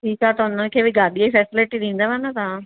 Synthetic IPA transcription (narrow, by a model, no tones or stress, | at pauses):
ʈʰiːkat̪ɐʊnəkʰeːbʱiɡaːɗiaifɛːsɪlɪʈiɗ̪ĩːnd̪aʋaːnat̪ɐʋã